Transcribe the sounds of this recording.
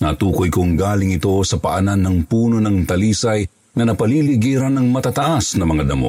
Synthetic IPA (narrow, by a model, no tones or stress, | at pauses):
nat̪uːkojkoŋɡaːlɪŋɪt̪o̞sɐpɐʔɐnanːɐŋpuːno̞nɐŋt̪ɐliːsaj | ŋɐnɐpɐliliɡiːɾanːɐŋmɐt̪at̪ɐʔasnɐmɐŋad̪ɐmo̰